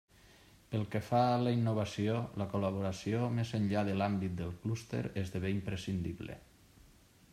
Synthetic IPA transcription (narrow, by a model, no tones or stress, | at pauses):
pəlˠkefaləinːoβ̞asioləkoləβ̞oɾasiomezəɲʎaðəlambit̪̚d̪əlˠklust̪ḛɾezðəβeimpɾesind̪iβlḛ